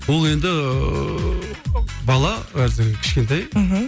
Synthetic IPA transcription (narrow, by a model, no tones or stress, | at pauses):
wolˠe̞nd̪ɪ | bɑlˠɑwæɾzɪŋkʲʰɪ̥ʃkʲe̞nt̪̬ɑj̩ɦm̩